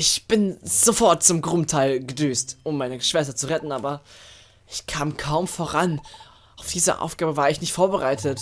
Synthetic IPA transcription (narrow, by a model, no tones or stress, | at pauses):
ʔɪçb̥ɪnz̥ofɔɐt̚t͡sʊmɡʁʊmtʰaɪlɡədøːstʊmːaɪnəʃv̥ɛstɐt͡suʁɛtn̩ʔaːbɐ | ʔɪçkʰaːmkʰaʊmfoːɐʁan | ʔaʊfd̥iːzə̰ʔa̰ʊfɡ̥aːbəvaːɐɪçnɪçtfoːɐbəʁaɪtʰət